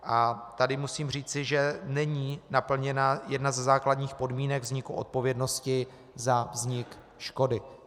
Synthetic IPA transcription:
ʔat̪adɪmusiːmr̝iːt͡sɪʒɛnɛɲiːnapl̩ɲɛnajɛdnazɛzaːkladɲiːxpo̞dmiːnɛɡvzɲɪkuʔo̞̰t̪̚po̞vjɛdno̞scɪ | zavzɲɪk | ʃko̞dɪ

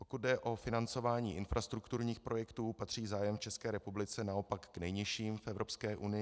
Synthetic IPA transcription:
po̞kut̪̚dɛʔo̞fɪnant͡so̞vaːɲiːʔɪnfɾast̪ɾukt̪uɾɲiːxpɾʔo̞jɛkt̪uːpat̪r̝̥iːzaːjɛmft͡ʃɛskɛːɾɛpublɪt͡sɛnao̞pakːnɛjɲɪʃiːmfɛvɾo̞pskɛːʔunɪjɪ

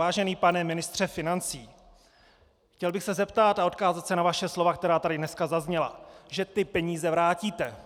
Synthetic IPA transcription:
aːʒɛniːpanɛmɪnɪst̪r̥ɛfɪnant͡siː | xcɛlbɪxsɛzɛpt̪at̪ao̞t̪kaːzat̪sɛnavaʃɛslo̞vakt̪ɛɾaːt̪adɪdnɛskazazɲɛla̰ʒɛt̪ɪpɛɲiːzɛvɾaːciːt̪ɛ

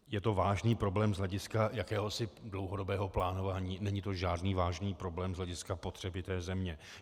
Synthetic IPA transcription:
jɛt̪o̞vaːʒniːpɾo̞blɛːmzlɛɟɪskajakɛːɦosɪdlo̞wɦo̞do̞bɛːɦo̞plaːno̞vaːɲiːnɛɲɪt̪o̞ʒaːdniːvaːʒniːpɾo̞blɛːmzɦlɛɟɪskapo̞t̪r̝̥ɛbɪt̪ɛːzɛmɲɛ

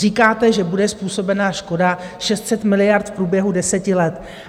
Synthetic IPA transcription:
riːkaːt̪ɛʒɛbudɛspuːso̞bɛnaːʃko̞daʃɛst̪sɛt̪mɪlɪjaɾt̪fpɾuːbjɛɦudɛsɛcɪlɛt̪

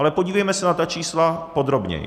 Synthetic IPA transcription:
alɛpo̞ɟiːvɛjmɛsɛnat̪at͡ʃiːslapo̞d̪ɾo̞bɲɛ̰j̰

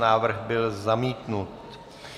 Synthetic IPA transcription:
naːvr̩ɣbɪlzamiːt̪nut̪

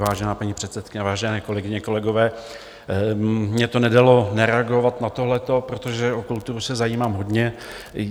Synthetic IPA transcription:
vaːʒɛnaːpaɲipr̥ɛt̪sɛt̪̚kɪɲɛvaːʒɛnɛːko̞lɛɡɪɲɛko̞lɛɡo̞vɛː | mɲɛt̪o̞nɛdalo̞nɛɾɛaɡo̞vat̪nat̪o̞ɦlɛt̪o̞pɾot̪oʒɛokult̪uɾusɛzajiːmaːmɦo̞dɲɛ

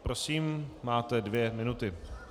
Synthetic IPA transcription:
pɾosiːmːaːt̪ɛdvjɛmɪnut̪ɪ

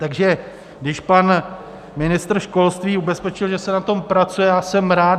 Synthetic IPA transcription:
t̪aɡʒɛ | ɡdɪʃpan | mɪnɪst̪r̩ʃko̞lst̪viːubɛspɛt͡ʃɪlʒɛsɛnat̪o̞mpɾat͡sujɛjaːsɛmɾaː

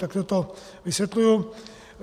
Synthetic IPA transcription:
t̪akt̪ot̪o | ʋisʋɛt̪luju

